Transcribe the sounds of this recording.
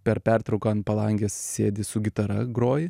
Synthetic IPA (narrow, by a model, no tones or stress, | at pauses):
pʲɛɾpʲært̪ɾɐʊkɐnpɐlˠɐŋʲɡʲeːssʲeːd̪ʲɪsʊɡʲɪt̪ɐɾɐɡɾoːjɪ